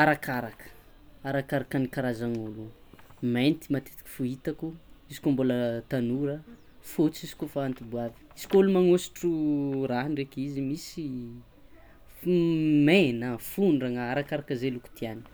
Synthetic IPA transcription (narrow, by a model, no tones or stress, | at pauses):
aɾakaɾakə̥ | aɾakaɾakanikaɾazaŋolument̪imat̪e̥t̪i̥ki̥fuit̪akuizi̥koambolət̪anuɾə | fut͡sizi̥kofaant̪ibuavi̥iz̥i̥kolumaŋosi̥ʈ͡ʂuɾaɦnɖ͡ʐekʲizimisi | menəfunɖ͡ʐaŋaaɾakaɾakəzeluku̥t̪iani̥